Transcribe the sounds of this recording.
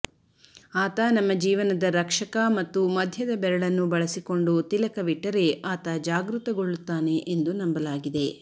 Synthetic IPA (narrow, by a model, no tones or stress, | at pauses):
aːt̪ɐnɐmːɐd͡ʒiːʋɐnɐd̪ɐɾɐkʂɐkɐmɐt̪ːumɐd̪ʱjɐd̪ɐbɛɾɐɭɐnːubɐɭɐsiko̞ɳɖut̪ilɐkɐʋiʈːɐɾe̞ʔaːt̪ɐd͡ʒaːɡɾut̪ɐɡoɭːut̪ːaːne̞ʔend̪unɐmbɐlaːɡid̪e̞